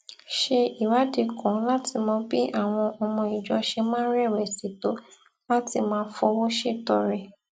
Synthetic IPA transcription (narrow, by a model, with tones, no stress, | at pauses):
ʃe˧i˨wa˨˦de˧kɔ̃˨˦la˦ti˧mɔ̃˧˦bi˦ʔa˦˨w̃ɔ̃˧ʔɔ˧mɔ̃˧i˨d͡ʒɔ˨˧ʃe˧mãː˦ɾɛ˦˨wɛ˨si˨to˨˦ | la˦ti˧mãː˧˦fɔ˧wo˦ʃe˦˨tɔ˧˨ɾɛ˨